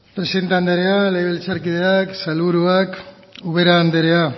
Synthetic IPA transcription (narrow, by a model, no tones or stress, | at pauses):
pɾe̞siðent̪eand̪eɾealejβelt͡saɾkiðeaksalβuɾuak | uβe̞ɾaːnd̪eɾea